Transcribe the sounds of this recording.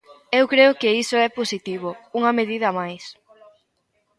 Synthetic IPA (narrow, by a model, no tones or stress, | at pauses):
ewkɾeʊkeisoɛposit̪iβouŋɐmeðiðɐmajs